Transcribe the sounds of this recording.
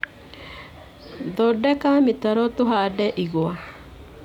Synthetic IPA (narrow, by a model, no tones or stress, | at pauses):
d̪ɔdɛkamɪt̪aɾɔt̪ʊɦadɛʔiɡwa